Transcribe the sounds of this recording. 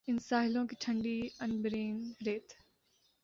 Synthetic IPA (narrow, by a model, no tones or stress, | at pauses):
ɪnsaːɦɪlõkiʈʰɐ̃ɳɖiɐnbɾeːnɾeːt̪ʰ